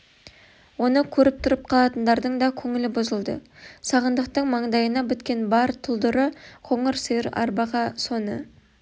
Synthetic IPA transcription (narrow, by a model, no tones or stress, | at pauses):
wo̞nəkʲʰɵɾɪp̚t̪ʰʊɾəp̚qʰɑlˠɑt̪ənd̪ɑɾd̪əɴd̪ɑkʲʰɵŋɪlɪbʊzəlˠd̪ə̰sɑʁənd̪əq̚t̪əɴmɑɴd̪ɑjənɑbʏt̪kʲe̞nbɑɾt̪ʰʊlˠd̪əɾəqʰo̞ɴəɾsəjɪɾɑ̰ɾbɑʁɑso̞nə